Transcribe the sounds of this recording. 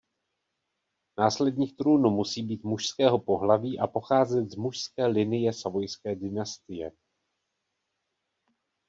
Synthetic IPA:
naːslɛdɲiːxt̪ɾuːnumusiːbiːt̪muʃskɛːɦo̞po̞ɦlaviːʔapo̞xaːzɛt̪zmuʃskɛːlɪnɪjɛsavo̞jskɛːdɪnast̪ɪjɛ

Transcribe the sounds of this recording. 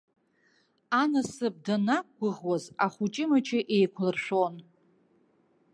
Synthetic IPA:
anasɨb̚danak̚ɡʷʊʁwazaχʷut͡ʃʼɪmat͡ʃʰʼɪʔe̞jkʷʰlɨrʂon

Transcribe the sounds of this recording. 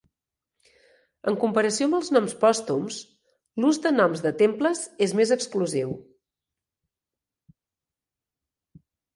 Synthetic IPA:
ə̰ŋkumpəɾəsioəmbəlˠznɔmspɔst̪ums | luzd̪ənɔmzðət̪empləzezmezəkskluziw

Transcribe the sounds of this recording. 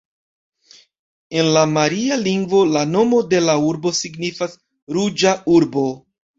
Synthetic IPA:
e̞nlamaɾialiŋɡvo̞lano̞mo̞de̞lauɾbo̞siɡnifas | ɾud͡ʒauɾbo̞

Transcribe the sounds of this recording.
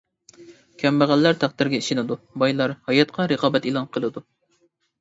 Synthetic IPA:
kʲʰɛmbæʁælːæɾt̪ʰæqd̪ɪɾɡʲɛiʃɪnɨd̪ubɑjlˠɑɾhɑjɑt̪qʰɑɾəqɑːbɛt̪ilˠɑnqʰəlˠɨd̪u

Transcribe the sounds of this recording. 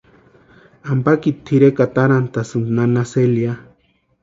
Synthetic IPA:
ampakit̪ʰːiɾekat̪aɾant̪asɨnnanaselja

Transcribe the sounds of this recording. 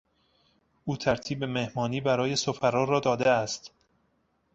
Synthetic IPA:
ʔuːt̪ʰæɾt̪ʰiːbeme̞hmɒːniːbæɾɒːje̞sofæɾɒːrɒːd̪ɒːd̪e̞æst̪

